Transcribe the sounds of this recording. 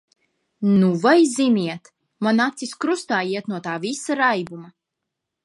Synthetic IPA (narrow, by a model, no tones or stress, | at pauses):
nuvajzimʲiɛt̪ | manat̪siskɾust̪aːjiɛt̪nuɔt̪aːvisaɾajbuma